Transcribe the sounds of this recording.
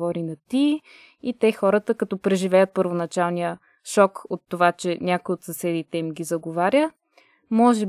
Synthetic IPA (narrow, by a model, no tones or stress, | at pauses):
vɔɾinɐt̪i | it̪ɛxɔɾət̪əkɐt̪ɔpɾɛʒivɛjət̪̚pəɾvonɐt͡ʃalˠnijə | ʃɔkot̪ːovat͡ʃɛnʲakojot̪sɐsɛd̪it̪ɛimɡʲizɐɡovaɾʲjə | mɔʒɛ